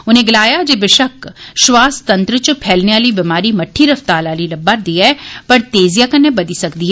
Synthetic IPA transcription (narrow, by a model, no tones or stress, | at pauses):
ʊnẽɡɪlaːjad͡ʒeʋɪʃɐkʃʋaːst̪ɐ̃nt̪ɾət͡ʃpʰɛːlneʋaːlibɪmaːɾimɐʈʰːiɾɐft̪aːlaːlilɐbːaːɾd̪iːɦɛːpɐɾt̪eːzijakɐnːebɐd̪isɐkd̪iɦɛː